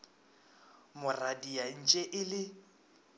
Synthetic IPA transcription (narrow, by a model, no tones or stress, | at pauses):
mʊradian̩t͡ʃʼɛʔɪlɪ